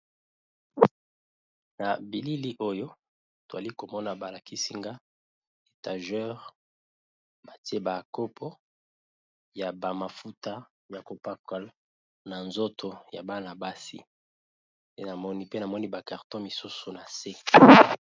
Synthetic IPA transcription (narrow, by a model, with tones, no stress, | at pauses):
na˨bi˨li˦li˦ʔo˦jo˦ | to˨za˨li˦ko˨mɔ˦na˨ba˨la˨ki˦si˦ŋɡa˦ | e˨ta˨ʒɛ˦ʁ | ba˨ti˦e˦ba˨ko˦pʰɔ˦ | ja˨ba˨ma˨fu˦ta˦ | ja˨ko˨pa˦ka˨l | na˨nzo˦tʰo˨ja̰˨ba˦na˨ba˦sḭ˦ | e˦na˨mɔ˦ni˦pe˦na˨mɔ˦ni˦ba˨ka˨ʁtɔ̃˦mi˨su˦su˨na˨se˦